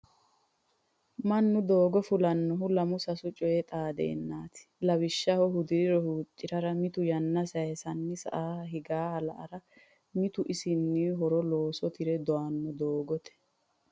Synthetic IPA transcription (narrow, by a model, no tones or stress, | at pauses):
mɐnːʊd̪oːɡɔfʊlɐnːɔɦʊlɐmʊsɐsʊt͡ʃʼɔjɛt̪ʼaːd̪ḛːnːaːt̪ɪ̥lɐwɪʃːɐhɔɦʊd̪ɪɾɪɾɔhuːt͡ʃʼːɪɾɐɾɐmɪt̪ʊjɐnːɐsɐjɛsɐnːɪsɐ̰ʔaːɦɪɡaːhɐlɐ̰ʔɐɾɐ | mɪt̪ʊʔɪsɪnːɪɦɔɾɔlo̞ːsɔt̪ɪɾɛd̪ɔanːɔd̪oːɡɔt̪ɛ̥